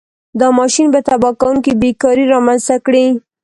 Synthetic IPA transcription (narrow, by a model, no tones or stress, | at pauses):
d̪ɑmɑʃinbət̪abɑkawuŋkibekɑɾiɾɑmanzt̪akɽi